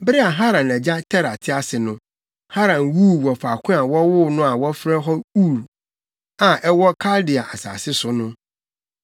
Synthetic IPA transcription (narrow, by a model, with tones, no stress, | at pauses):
bɪ˦ɾɪ˦a˨ɦa˦ɾã˨nɛ˨d͡ʑa˦tʰɛ˦ɾa˨tʰɪ˦a˨sɪ˨nʊ̃˦ | ha˦ɾã˨nwu˦˨wɔ˨faː˨kʷʰʊ̃˦a˨wɔ˦wʊ˦nʊ̃˦a˨wɔ˦fɾɛ˦ɦɔ˦u˦˨ɾ | a˨ʔɛ˦wɔ˦kʰa˦ldɪ˨a˨ʔa˨sa̰ː˨sɪ˦sʊ˦nʊ̃˦